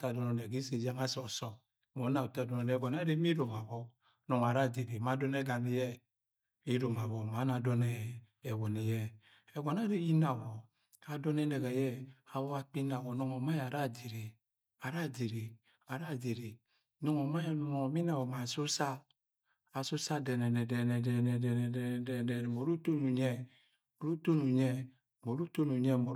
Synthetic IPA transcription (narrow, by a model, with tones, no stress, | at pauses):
ta˦˨dɔ˨nɔ˨ne˨ɡi˦se˨d͡ʒe˦ŋa˦sɔ˨sɔ˦ | mo˨˦na˨ta˦˨dɔ˨nɔ˨nɛ˨ɡɔ˨n˦a˦ɾe˦mi˦ɾo˨ma˨βɔ˦ | nɔ˨ŋ˨a˨ɾa˦˨de˨ɾi˨ma˨˦dɔ˦ne˦ɡa˨ni˦jɛ˦ | i˦ɾo˨ma˨βɔ˦ma˨˦na˨dɔ˦nɛː˦˨ | wo˨ni˨jɛ˦ | ɛ˨ɡɔ˨na˦ɾi˦i˦na˨wɔ˨ | a˨dɔ˦nɛ˦ne˨ɣɛ˨jɛ˦a˨βɔ˦a˦k͡pi˦na˨ɡɔ˨nɔ˦ŋɔ˨ma˦˨a˨ɾa˦˨d͡ʒi˨ɾi˨ | a˨ɾa˦˨d͡ʒi˨ɾi˨ | a˨ɾa˦˨d͡ʒi˨ɾi˨ | nɔ˦ŋɔ˨ma˦jmɔ˨mi˦na˨wɔ˨ma˨so˦saː˦˨ | so˦sa˦dɛ˨nɛ˨nɛ˨dɛ˨nɛ˨dɛ˨nɛ˨dɛ˨nɛ˨dɛ˨nɛ˨dɛ˦˨dɛ˦˨nɛ˨mo˨ɾu˦to˦nu˨ɲɛ˦ | o˨ɾu˦to˦nu˨ɲɛ˦ | mo˨ɾu˦to˦nu˨ɲɛ˦mo˨